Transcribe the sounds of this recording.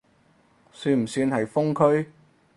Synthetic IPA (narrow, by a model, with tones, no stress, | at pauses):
syː˧nm̩˨˩syː˧nhɐ˨jfʊ˥ŋkʰɵ˥ɥ